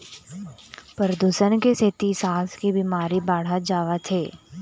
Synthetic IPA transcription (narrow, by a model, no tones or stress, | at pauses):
pəɾəd̪uːsənkeset̪isaːskibɪmaːɾibaːɽ̤ad͡ʒaːʋat̪ʰeː